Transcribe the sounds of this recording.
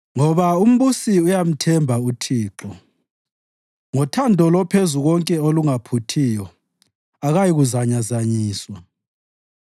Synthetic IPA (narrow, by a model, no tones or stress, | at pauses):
ŋɔβaum̩βusiujam̩tʰɛmbʱautʰiːǁɔ | ŋɔtʰandʱɔlɔpʰezuɣɔŋkʼɛoluŋapʰutʰijɔ | aɣajiɣuzaɲazaɲiːswa